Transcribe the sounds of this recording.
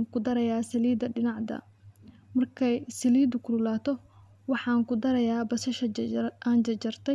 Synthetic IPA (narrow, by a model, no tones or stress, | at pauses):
ŋkʰʊd̪ɐɾɐjaːsɐliːd̪ɐɖɪnɑʕd̪ɐ̰ | mɐrkʰɛjsɪliːd̪ʊkʰʊlʊlaːt̪ʰɔ | wɑħɑːŋkʊd̪ɐɾɐjaːbɐsɐʃɐʔaːnt͡ʃɐt͡ʃɐrt̪ʰɛ